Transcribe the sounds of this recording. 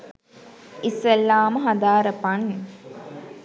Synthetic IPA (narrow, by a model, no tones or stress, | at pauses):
iselːaːməɦad̪aːɾəpaŋːe